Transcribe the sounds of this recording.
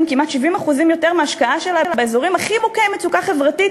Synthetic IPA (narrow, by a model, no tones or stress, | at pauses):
mkimat̪ʃivimaχuzimjo̞teʁmeaʃkaaʃelalabaezoʁimaχimokemet͡sukaχe̞vʁatit